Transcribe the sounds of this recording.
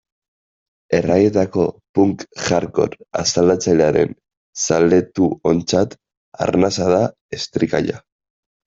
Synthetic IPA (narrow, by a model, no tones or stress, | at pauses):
e̞raje̞t̪ako̞puŋkʝaɾko̞̰ɾa̰sald̪at͡saʎeaɾe̞̰n | sale̞t̪uo̞nt͡sat̪ | a̰ɾnasaða | est̪ɾika̰ʎa̰